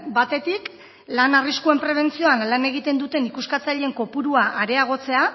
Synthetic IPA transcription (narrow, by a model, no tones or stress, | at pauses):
bat̪e̞t̪ik | lanariskue̞mpɾe̞β̞e̞nt͡sio̞anlane̞ɣit̪e̞nd̪ut̪e̞nikuskat͡saʎeŋko̞puɾuaʔaɾe̞aɣ̞o̞t͡se̞a